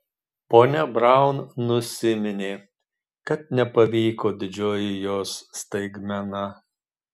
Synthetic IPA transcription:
poːnʲɛbɾɑˑʊnnʊsʲɪmʲɪnʲeː | kɐt̪̚nʲɛpɐʋʲiːkoːd̪ʲɪd͡ʒʲoːjɪjoːsːt̪ɐɪɡmʲɛnɐ

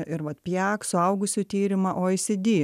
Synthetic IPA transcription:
ʔɪɾʋɐt̪pʲjæːksʊɐʊɡʊsʲuːt̪ʲiːɾʲɪmɐʔoːɪsʲɪd̪ʲiː

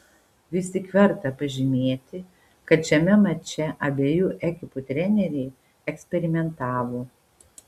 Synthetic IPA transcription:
ʋʲɪst̪ʲɪkʋʲɛɾt̪ɐpɐʒʲɪmʲeːt̪ʲɪ | kɐt̪t͡ʃʲɛmʲɛmɐt͡ʃʲɛʔɐbʲeːjuʔɛkʲɪpʊt̪ʲɾʲɛnʲɛɾʲɛɪ | ɛksʲpʲɛɾʲɪmʲɛnt̪ɑːʋoː

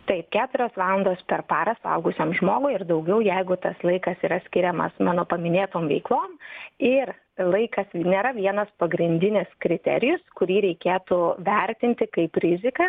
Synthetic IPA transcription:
t̪ɐɪp̚kʲæːt̪ʊɾʲoːsʋɑːlˠɐnd̪oːspʲɛrpɑːɾɐsɐ̰ʊɡʊsʲeːmʒmoːɡʊɪrd̪ɐʊɡʲɛʊjɛɪɡʊt̪ɐslˠɐɪkɐsiːɾɐsʲkʲɪɾʲɛmɐ̰smɑːnoːpɐmʲɪnʲeːt̪oːmʋʲɛɪklˠoːmɪr | lˠɐɪkɐsnʲeːɾɐʋʲiɛnɐspɐɡɾʲɪnʲd̪ʲɪnʲɪskɾʲɪt̪ʲɛ̰ɾʲɪjʊskʊɾʲiːɾʲɛɪkʲeːt̪ʊʋʲɛɾʲt̪ʲɪnʲt̪ʲɪkɐɪpɾʲɪzʲɪkɐ

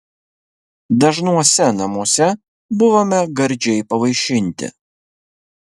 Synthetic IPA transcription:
d̪ɐʒnuɔsʲɛnɐmuɔsʲɛ | bʊʋoːmʲɛɡɐɾʲˑd͡ʒʲɛɪpɐʋɐɪʃʲɪnʲt̪ʲɪ̰

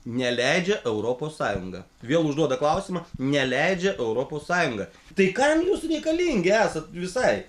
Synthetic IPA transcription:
nʲɛlʲɛɪd͡ʒʲɛʔɛʊɾoːpoːssɑːjʊŋɡɐ̰ | ʋʲiɛlˠʊʒd̪uɔd̪ɐklˠɐʊsʲɪmɐnʲɛlʲɛɪd͡ʒʲɛʔɛʊɾoːpoːssɑːjʊŋɡɐ | t̪ɐɪkɐmjuːsɾʲɛɪkɐlʲiŋʲɡʲɪæːsɐt̪ʋʲɪsɐɪ

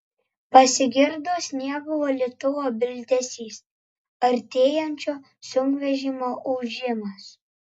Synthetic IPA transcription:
pɐsʲɪɡʲɪɾd̪oːsnʲiɛbʊʋoːlʲɛt̪ʊʋoːbʲɪlʲt̪ʲɛsʲiːs | ɐɾʲt̪ʲeːjɛnʲt͡ʃʲoː | sʊŋkʋʲɛʒʲiːmoːʔɔʊʒʲɪmɐs

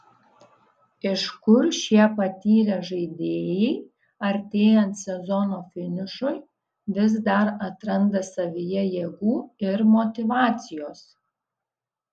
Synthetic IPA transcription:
ɪʃkʊɾʃʲiɛpɐt̪ʲiːɾʲɛʒɐɪd̪ʲeːjɛɪ | ɐɾʲt̪ʲeːjɛnt̪sʲɛzɔnoːfʲɪnʲɪʃʊj | ʋʲɪzd̪ɐɾɐt̪ɾɐnd̪ɐsɐʋʲɪjɛjeːɡuːɪɾmot̪ʲɪʋɑːt̪sʲɪjoːs

